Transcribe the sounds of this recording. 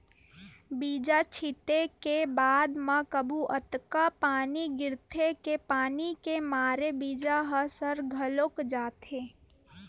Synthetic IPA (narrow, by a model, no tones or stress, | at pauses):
biːd͡ʒat͡ʃʰɪt̪ekebaːd̪mãkəbʱuʔət̪kapaːniɡɪɾt̪ʰekepaːnikemaːɾebiːd͡ʒaɦəsəɾɡʱəlokd͡ʒaːt̪ʰeː